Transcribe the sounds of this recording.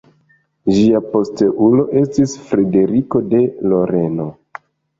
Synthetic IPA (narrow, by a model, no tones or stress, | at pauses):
ʒiapo̞ste̞ʔulo̞ʔe̞stisfɾe̞de̞ɾiko̞de̞loɾe̞no̞